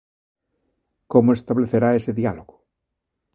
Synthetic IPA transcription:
komoest̪aβleθeɾaeseðialoɣʊ̥

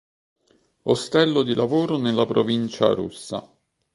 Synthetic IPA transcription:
ost̪ɛlːod̪ilʔavoːɾonelːapɾovint͡ʃa̰ɾṵsːa̰

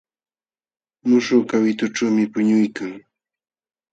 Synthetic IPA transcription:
mʊʃʊkawɪt̪ʊʈ͡ʂamɪpʊɲʊjkaŋ

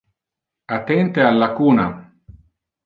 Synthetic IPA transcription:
at̪ːɛnt̪ealːakuːna

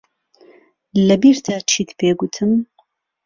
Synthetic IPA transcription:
lɐbiːɾt̪ʰaːt͡ʃʰiːt̪pʰeːɡut̪ʰɨm

